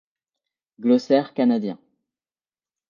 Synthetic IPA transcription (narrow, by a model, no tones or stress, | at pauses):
ɡlɔsɛʁkanad̪jɛ̰̃